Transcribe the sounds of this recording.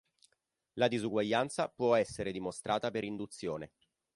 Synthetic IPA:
lad̪izuɡwaʎːant̪sapwɔɛsːeɾed̪imost̪ɾʔaːt̪apeɾind̪ut̪sːjoːne

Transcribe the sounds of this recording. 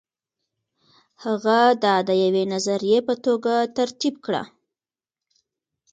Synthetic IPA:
haɣad̪ɑd̪əjawenazaɾijepət̪oɡat̪aɾt̪ibkɽa̰

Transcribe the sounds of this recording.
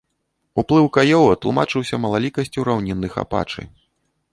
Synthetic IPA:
uplˠɨwkajɔwɐt̪lˠumat͡ʂɨwsʲɐmɐlˠalʲikɐsʲt͡sʲuɾawnʲinːɨxa̰pa̰t͡ʂɨ̰

